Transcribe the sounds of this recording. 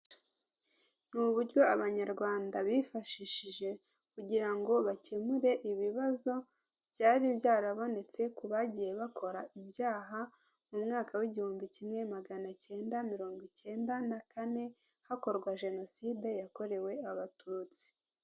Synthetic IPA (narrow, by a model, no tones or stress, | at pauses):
nuβuɾɟo̞aβaɲaɾɡwaːndaβifaʃiʃiʒe̞ | kuɟiɾaŋɡo̞βace̞muɾe̞ʔiβiβazo̞ | βjaːɾibjaːɾaβo̞ne̞t͡se̞kuβaɟije̞βakʰo̞ɾaʔibjaːɦa | mumŋaːkawiɟihuːmbicimŋe̞maɡanace̞ːndamiɾo̞ːŋɡwice̞ːndanakane̞ | hako̞ɾɡwaʒe̞no̞siːde̞jako̞ɾe̞we̞aβatut͡si̥